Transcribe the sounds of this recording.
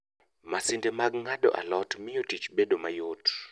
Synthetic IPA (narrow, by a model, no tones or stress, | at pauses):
masindemaɡŋaɗɔ̰ʔa̰lɔtmɪjotit͡ʃbedomajot